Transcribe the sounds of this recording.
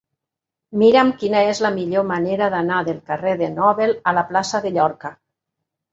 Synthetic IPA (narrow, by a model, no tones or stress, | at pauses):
miɾamkinaezlamiʎomaneɾaðanaðelˠkareðenɔβelalaplasaðeʎɔɾka